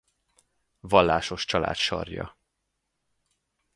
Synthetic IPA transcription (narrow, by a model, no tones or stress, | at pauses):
vɒlːaːʃo̞ʃt͡ʃɒla̰ːt̪ʃɒ̰rjɒ̰